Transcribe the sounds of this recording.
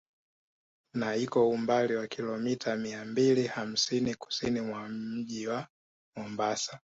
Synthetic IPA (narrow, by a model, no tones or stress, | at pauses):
naikɔumbaliwakilɔmitʰamiambiliham̩siniku̥sinimwam̩ʄiwa | mɔmbasa